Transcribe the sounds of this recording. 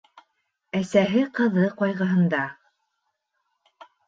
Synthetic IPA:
æsæɦɘqɤ̆ðɤqɒjʁɤ̆ɦɤ̆nd̪ɑ

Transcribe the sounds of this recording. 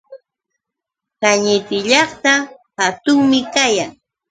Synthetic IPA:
kaɲɪt̪ɪʎɑχt̪ahat̪ʊŋmɪkajaŋ

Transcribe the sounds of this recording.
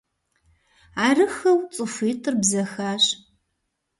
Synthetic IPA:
aːrɨxɐwt͡sʼɨfiːtʰʼɨrbzɐxaːɕ

